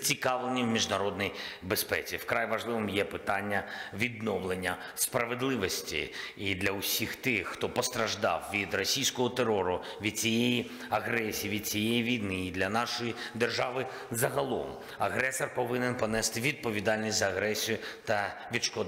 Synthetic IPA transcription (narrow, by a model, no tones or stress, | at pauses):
t͡sʲikɑʋlˠenʲːiwmʲiʒnɐɾɔd̪nɔjbespɛ̰t͡sʲiwkɾajʋɐʒlˠɪʋɪmjɛpɪt̪ɑnʲːɐʋʲid̪nɔwlˠenʲːɐ | spɾɐʋed̪lˠɪʋɔsʲtʲḭːd̪lʲɐʊsʲixt̪ɪxxt̪ɔpɔst̪ɾɐʒd̪ɑ̰wʋʲid̪rɔsʲijsʲkɔɦɔt̪erɔɾʊ | ʋʲid̪̚t͡sʲijeji | ɐɣɾɛsʲijːʋʲid̪̥̚t͡sʲijejiʋʲijnɪːd̪lʲɐnɑʃɔjid̪erʒɑʋɪ | zɐɦɐlˠɔ̰m | ɐɣɾɛsɔrpɔʋɪnɪnpɔnɛst̪ɪʋʲid̪̚pɔʋʲid̪ɑlʲnʲisʲt̪ʲzɐːɣɾɛsʲijʊt̪ɐʋʲid̪ʃkɔd̪